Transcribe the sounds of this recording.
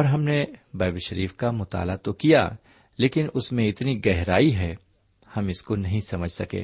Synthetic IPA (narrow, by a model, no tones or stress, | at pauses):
ɔːɾɦɐmnebɛːbʃəɾiːfkamʊt̪a̰ːlat̪okija̰ | leːkɪnʊsmẽɪt̪niɡɛɦɾaːiɦɛ | hɐmɪskonɐɦĩsɐməd͡ʒʱsɐkḛː